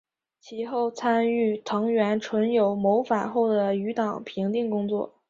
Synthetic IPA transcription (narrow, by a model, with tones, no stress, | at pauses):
t͡ɕʰi˧˥xo˥˩ʊt͡sʰa˥ny˥˩t̪ʰɤ˧˥ŋɥɛ˧˥nʈ͡ʂʰwə˧˥njo˨˩ʊmo˧˥ʊfa˨˩nxo˥˩ʊd̪ə˩y˧˥t̪ɑ˨˩˦ŋpʰi˧˥ŋt̪i˥˩ŋkʊ˥ŋt͡swɔ̰˥˩